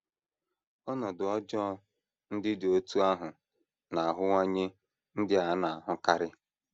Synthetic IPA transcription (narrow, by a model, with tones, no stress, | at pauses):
ɔ˦nɔ˨dʊ˨ɔ˦d͡ʒɔ˦ | n̩˦dɪ˦do˦tu˦a˦ɦʊ˨ | na˨a˨ɦʊ˦ŋɔ˦ɲe˦ | n̩˦dɪ˦a˨˦na˨a˨ɦʊ˦ka˦ɾɪ˦